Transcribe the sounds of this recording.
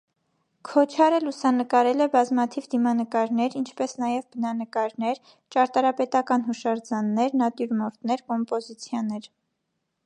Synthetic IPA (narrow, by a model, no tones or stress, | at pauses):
kʰɔt͡ʃʰɑɾəlusɑnəkɑɾɛlɛbɑzmɑt̪ʰivd̪imɑnəkɑɾnɛɾint͡ʃʰpɛsnɑjɛvbənɑnəkɑɾnɛɾ | t͡ʃɑɾt̪ɑɾɑpɛt̪ɑkɑnɦuʃɑɾd͡zɑnːɛɾnɑt̪juɾmɔɾt̪nɛɾkɔmpɔzit͡sʰjɑnɛɾ